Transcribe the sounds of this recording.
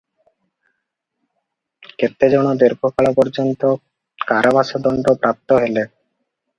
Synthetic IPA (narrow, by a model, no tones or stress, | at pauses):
keɾt̪ːed͡ʑɔnod̪eɾkʰokalapɔɾd͡ʑont̪o | kaɾʔabaʃad̪ɔɳɖopɾʔap̚t̪oɦele